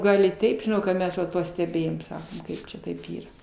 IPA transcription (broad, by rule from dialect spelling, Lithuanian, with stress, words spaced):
ˈɡɐlˠ ɪ ˈtʲɛɪp ʒʲɪˈnɐʊ kɐ ˈmʲɛs ʋɐ ˈtuɔ sʲtʲɛˈbʲeːjoːm ˈsɑːkoːm ˈkɐɪp t͡ʃʲɛ ˈtɐɪp ˈiːrɐ